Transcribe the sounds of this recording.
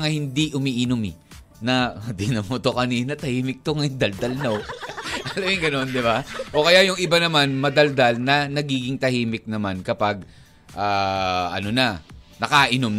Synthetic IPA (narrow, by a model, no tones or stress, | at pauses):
ŋɐhɪnd̪iʔʊmiːʔɪnomɪ | nɐd̪ɪnɐmot̪okɐniːnɐt̪ɐhiːmɪk̚t̪oŋɐɪnd̪ɐld̪ɐlnoʔɐlɐjɪŋɡɐno̞nd̪ɪbaʔo̞kɐjajʊŋʔɪbanɐmanmɐd̪ɐld̪ɐlnɐnɐɡiːɡɪŋt̪ɐhiːmɪk̚nɐmankɐpaɡ̚ | ʔaːʔɐ̰no̞nɐnɐkaʔɪnom